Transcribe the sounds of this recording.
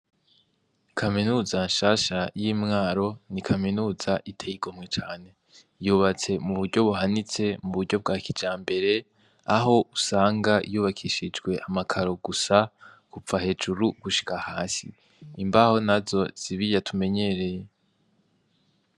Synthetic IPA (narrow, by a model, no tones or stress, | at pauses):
kʰaminuːzanʃaːʃajiːmŋaːɾo̞nikʰaminuːzaʔitʰejiɡomŋet͡ʃaːne̞ | juːβat͡se̞muβuɾɟo̞βuɦanit͡se̞muβuɾɟo̞b̚ɡaːkid͡ʒaːmbe̞ɾe̞ | aɦo̞ʔusaːŋɡajuːβakʰiʃid͡ʒɡwe̞ʔamakʰaɾo̞ɡusa | kup͡fahe̞ːd͡ʒuɾuɡ̥uʃi̥kahaːsḭː | mbaho̞nazo̞z̥iβijatʰume̞ɲe̞ɾe̞je